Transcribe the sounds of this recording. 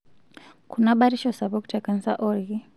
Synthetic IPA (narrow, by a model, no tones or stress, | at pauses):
kʰunaɓaɾiʃɔsaβɔku̥tʰɛkanisaʔɔɾɣi